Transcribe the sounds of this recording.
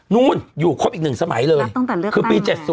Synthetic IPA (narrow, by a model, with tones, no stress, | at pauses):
nu˧˨njuː˨˩kʰɔː˧˥pi˨˩k̚nɨ˨˩ŋsaː˧˦ma˨˦jləː˧jjɔ˧a˨˩lkʰɨː˨˧˩pi˧t͡ɕɛ˨˩t̚su˧